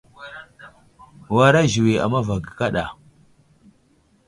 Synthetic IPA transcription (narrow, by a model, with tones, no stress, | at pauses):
wa˨ɾa˦ʒi˨we˨a̰˨ma˦va˨ɡi˨ka˦ɗa˨